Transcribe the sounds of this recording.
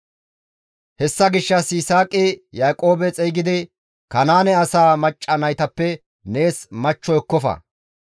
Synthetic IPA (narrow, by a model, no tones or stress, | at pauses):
hɛsːɐɡɪʃːɐsɪsaːkʼɪjaːkʼo̞ːbɛt͡sʼɛjɡɪd̪ɪ | kɐnaːnɛɐsaːmɐt͡ʃʼːɐnɐjt̪ɐpːɛ | ne̞ːsmɐt͡ʃːɔjkːɔfɐ̰